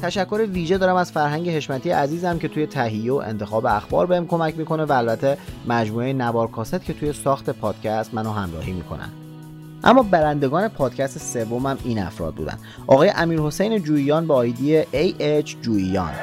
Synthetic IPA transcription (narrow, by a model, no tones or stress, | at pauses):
t̪ʰæʃækʰːo̞ɾeviːʒe̞d̪ɒːɾæmæz̥fæɾɦæŋɟe̞he̞ʃmæt̪ʰijḛʔæziːzæmcʰe̞t̪ʰuːje̞t̪ʰæɦijːeo̰ʔḛnt̪ʰe̞xɒːbeæxbɒ̰ːɾbehæmkʰo̞mæcʰmiːkʰo̞nevæːlbæt̪ʰːemæd͡ʒmuːejenævɒːɾkʰɒːset̪̚cʰe̞t̪ʰuje̞sɒːxt̪ʰe̞pʰɒːd̪̥cʰæst̪mænoɦæmɾɒ̰ːhiːmḭːkʰo̞̰næ̰n | ʔæ̰mːɒːbæɾænd̪e̞ɡɒːne̞pʰɒːd̪̥cʰæst̪ese̞vːo̞mæmʔiːnæ̰fɾɒ̰ːd̪̚bṵːd̪æ̰nd̪ | ʔɒ̰ɣːjeʔæmiːɾho̞sejned͡ʒuːijɒːnbeɒːjd̪ijeʔejet͡ʃʰd͡ʒuːijɒ̰ːn